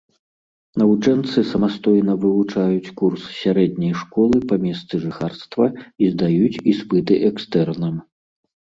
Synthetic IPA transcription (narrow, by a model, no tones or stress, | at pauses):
nɐvut͡ʂɛnt̪sɨsɐmast̪ɔjnɐvɨvut͡ʂajut͡sʲkurssʲaɾɛd̪̚ʲnʲɐjʂkɔlˠɨpɐmʲɛst̪sɨʐɨxarst̪vɐizd̪ajut͡sʲispɨt̪ɨʔɛkst̪ɛrnɐm